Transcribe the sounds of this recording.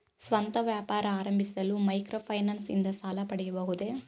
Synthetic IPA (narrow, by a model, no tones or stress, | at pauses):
sʋɐnt̪ɐʋjaːpaːɾɐaːɾɐmbʱisɐlumɐjkɾoːpʰɐjnaːnsḭnd̪ɐsaːlɐpɐɽɛjɐbɐɦud̪e̞